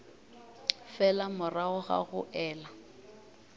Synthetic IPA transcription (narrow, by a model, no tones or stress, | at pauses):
fɛlamʊraʊɣa̰ɣʊ̰ʔɛːla